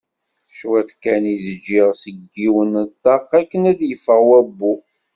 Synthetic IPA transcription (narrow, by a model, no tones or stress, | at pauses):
ʃwæt̪kæniðəd͡ʒːiʁsəɡːiwənət̪ːɑqːækːənæd̪jəfəʁwæbːu